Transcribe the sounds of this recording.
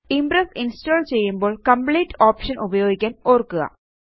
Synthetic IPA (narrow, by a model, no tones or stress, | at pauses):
imbɾɐsinstoːɭt͡ɕe̞jːumbo̞ːɭkɐmpɭiːʈːoːpʂɐnʔubɐjo̞ːɡikʲːaːnoːrkːuɣɐ̰